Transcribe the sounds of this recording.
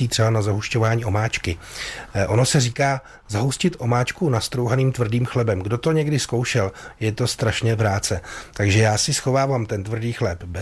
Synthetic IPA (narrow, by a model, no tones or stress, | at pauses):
iːt̪r̥ɛbanazaɦuʃco̞vaːɲiːʔo̞maːt͡ʃkɪʔo̞no̞sɛriːkaː | zaɦuscɪt̪ʔo̞maːt͡ʃkunast̪ɾowɦaniːmt̪vr̩diːmxlɛbɛmɡdo̞t̪o̞ɲɛɡdɪsko̞wʃɛljɛt̪o̞st̪ɾaʃɲɛvɾaːt͡sɛt̪aɡʒɛjaːsɪsxo̞vaːvamt̪ɛnt̪vr̩diːxlɛpbɛ